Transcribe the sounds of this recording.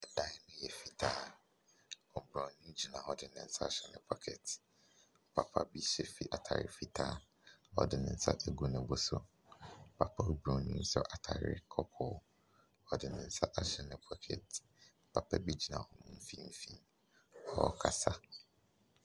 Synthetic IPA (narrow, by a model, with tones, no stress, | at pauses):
ɛ˨dã˦˨nʊ̃˦jɛ˨fi˨tʰaː˦ | ɔ˨bɾɔ̃˨nũ˦d͡ʑi˨nã˨ɔ˨dɪ˨nɪ̃˨n̩˦sa˦˨ɕɛ˨nɪ̰̃˨pʰɔ˨kʰɛ˨t̩˨ | pʰa˨pʰa˦bi˦ɕɛ˨fi˨ʔa˨tʰa̰˨ɾɪ̰˨fi˦tʰaː˦ | ɔ̰˨dɪ˨nɪ̃˨n̩˦˨sa̰˦ʔɛ˨ɡu˨nʊ̃˨bɔ˨sʊ˦ | m̩˨pʰa˨pʰa˦u˦bɾɔ̃˨nĩ˦n̩˦sɔ˨ʔa˨tʰa˨ɾɪ̰˦kʰɔ˦kʰɔ˦ | ɔ˨dɪ˨nɪ̃˨n̩˦sa˦ʔa˦ɕɛ˨nɪ̃˨pʰɔ˦kʰɛ̰˨t̩˨ | pʰa˨pʰa˦bi˦d͡ʑi˦nã̰˨ɔ˨mʊ̃˦m̩˦fĩ˦m̩˦fḭ̃˦n | ɔ˦kʰa˨sa˦